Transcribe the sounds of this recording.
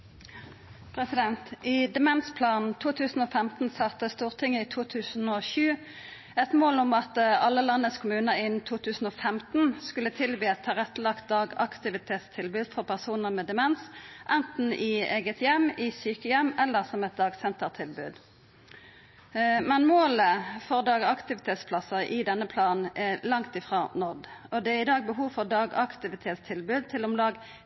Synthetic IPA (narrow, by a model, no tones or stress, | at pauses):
pʰɾɛsɪd̪ɛnt̪ʔiːd̪ɛmɛnspʰlɑːnn̩t̪ʰuːt̪ʰʉːsn̩oːfɛmt̪n̩sɑt̪ːəst̪uːʁt̪ʰɪŋːəiːt̪ʰuːt̪ʰʉːsn̩oʃʉː | ɛt̪moːlʊmɑt̪ɑlːəlɑnːəskʰʊmʉːnəɪnt̪ʰuːt̪ʰʉːsn̩oːfɛmt̪n̩skʉlət̪ʰɪlʋiːɛt̪ʰːɑːʁɛt̪ːlɑkt̪̚d̪ɑːɡɑ̰kt̪ɪʋɪt̪ʰeːt̪st̪ʰɪlbʉːd̪fɔʁpʰæʁsuːnəʁmɛːd̪ɛmɛnsʔɛnt̪n̩ʔɪeːɡət̪jɛmːɪsyːkəjɛmːɛlːəʁsɔmɛt̪̚d̪ɑːɡsɛnt̪əʁt̪ʰɪlbʉ̰ːd̪ | mɛnmoːləfɔʁd̪ɑːɡɑkt̪ɪʋɪt̪ʰeːt̪spʰlɑsəʁʔɪd̪ɛnːəpʰlɑːnɛlɑŋt̪ɪfʁɑːnɔʁd̪ʔɔd̪ɛæʁɪd̪ɑːɡ̚bəɦuːʋfɔʁd̪ɑːɡɑkt̪ɪʋɪt̪ʰeːt̪st̪ʰɪlbʉːd̪̚t̪ʰɪlɔmlɑɡ